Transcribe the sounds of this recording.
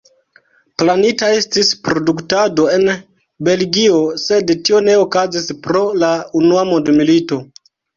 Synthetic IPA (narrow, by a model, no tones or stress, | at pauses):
planitae̞stispɾo̞duktado̞e̞n | be̞lɡio̞se̞dtio̞ne̞o̞kazispɾo̞launuamondmilito̞